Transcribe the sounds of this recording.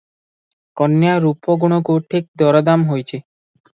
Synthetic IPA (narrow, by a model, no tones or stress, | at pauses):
kɔnjaɾupɔɡuɽ̃ɔɡoʈʰik̚d̪ɔɾɔd̪amɦojt͡ʃʰe